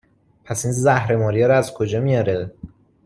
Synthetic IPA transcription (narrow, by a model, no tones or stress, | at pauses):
pʰæsiːnzæhɾe̞mɒːɾijɒɾæzkʰo̞d͡ʒɒːmijɒɾe